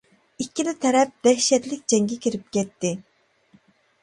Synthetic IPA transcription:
ikʲːilɪt̪ʰɛɾɛp̚d̪̥ɛʃɛt̪lɪk̚ʲd͡ʒɛŋɡʲɛkʲiɾɪp̚kʲɛt̪ːɪ

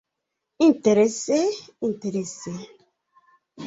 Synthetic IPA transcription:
ĩnteɾeseĩnteɾese

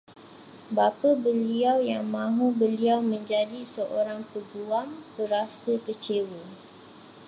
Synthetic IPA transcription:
bapəbəliawjaŋmãɦũbəliawmə̃ɲd͡ʒadisəʔoɾaŋpəɡuambəɾasəkət͡ʃewə

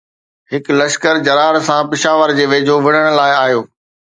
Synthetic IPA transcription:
ɦɪklɐʃkəɾd͡ʑɐɾaːɾsãpɪʃaːʋəɾd͡ʑeːʋeːd͡ʑʱoʋɪɽ̃əɽ̃ʊ̆laːɪaːɦjoː

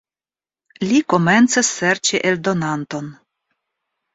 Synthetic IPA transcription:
liko̞me̞nt͡sesːeɾt͡ʃiʔeldo̞nanto̞n

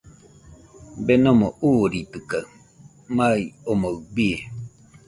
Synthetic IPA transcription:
benomoʔuɾit̪ɨka | maiomoɰbi

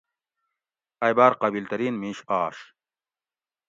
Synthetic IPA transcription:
ɐjbaːɾqɑbiːlt̪ɐɾiːnmĩːɕaːɕ

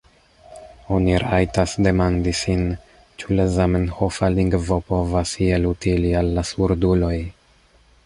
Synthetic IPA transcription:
o̞niɾajtasde̞mandisin | t͡ʃulezamenhofaliŋɡvo̞po̞vasielutilialːasuɾdulo̞j

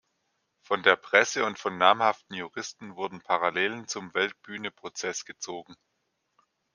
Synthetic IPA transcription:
fɔndeːɐpʁ̥ɛsəʊntfɔnːaːmhaftn̩juʁɪstn̩vʊɐdn̩pʰaʁaleːlənt͡sʊmvɛlt̚b̥yːnəpʁ̥ot͡sɛsɡ̥ət͡soːɡŋ̩

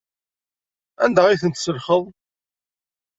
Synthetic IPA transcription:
ænd̪aʁiθənt̪səlχəðˤ

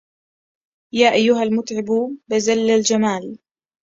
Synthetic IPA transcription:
jaːʔajːʊɦalmʊt̪ʕɪbubɪzalːald͡ʒamaːl

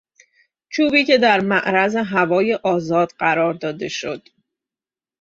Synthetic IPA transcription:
t͡ʃʰuːbiːce̞d̪æɾmæʔɾæzeɦævɒːje̞ʔɒːzɒːd̪̥ɢæɾɒːɾd̪ɒːd̪e̞ʃo̞̰d̪̥

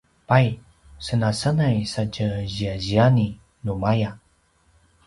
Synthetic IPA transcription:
paj | sənasənajsacəʑiaʑiani | numaja

